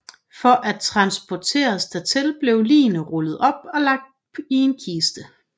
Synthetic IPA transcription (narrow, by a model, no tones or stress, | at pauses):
fɒ̽ʔæt͡sʰʁɑ̈nsb̥ʰɒt͡sʰe̝̰ːɐsd̥æt͡sʰelb̥le̝ʊlḭːnəʁɔlð̞̩ˠɒ̽b̥̚ɒ̽lɑ̈ɡ̥̚d̥ | ie̝nkʰiːsd̥ə